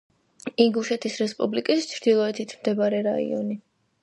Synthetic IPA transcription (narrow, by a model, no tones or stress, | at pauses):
iŋɡuʃɛt̪ʰisɾɛspʼublikʼist͡ʃʰɾd̪̥ilˠɔɛt̪ʰit̪ʰmd̪ɛbaɾɛɾa̰ḭɔ̰ni